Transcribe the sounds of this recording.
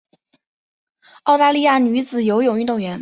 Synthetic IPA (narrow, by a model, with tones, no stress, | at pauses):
ɑ˥˧ʊt̪a˥˧li˥˧ja˥˩ny˧˥t͡sɹ̩˨˩jo˧˥ʊjo˨˩ʊy˥˧t̪ʊ˥˩ŋɥɛ˧˥n